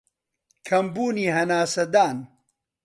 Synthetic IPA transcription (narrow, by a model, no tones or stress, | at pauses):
kʰɐmbuːniːɦɐnaːsɐd̪aːn